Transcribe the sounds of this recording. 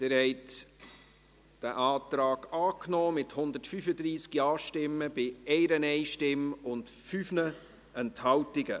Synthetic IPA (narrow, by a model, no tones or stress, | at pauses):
d̥eːɾhɛɪt | d̥æʔɑːtɾaːɡɑːknɔːmɪthʊnd̪ətfyfədɾiːsɡ̥iɑːʃtɪmːəb̥ɪɛɪɾənɛɪʃtɪmʊnt | fyːfnə | ɛnthɑwtɪɡə